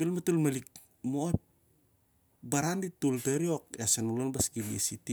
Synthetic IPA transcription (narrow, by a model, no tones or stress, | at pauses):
belmatulmalik̚ | mop | baɾanditulteɾiokesanulonbaskiβisiti